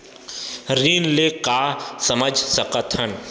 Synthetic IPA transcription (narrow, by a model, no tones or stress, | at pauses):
ɾiːnleːkaːsɐməd͡ʒʱsəkət̪ɦən